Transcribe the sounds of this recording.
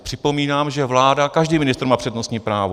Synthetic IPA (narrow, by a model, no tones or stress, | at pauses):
pr̥ɪpo̞miːnaːmʒɛvlaːdakaʒdiːmɪnɪst̪ɾ̩maːpr̝̥ɛdno̞st̪ɲiːpɾaːvo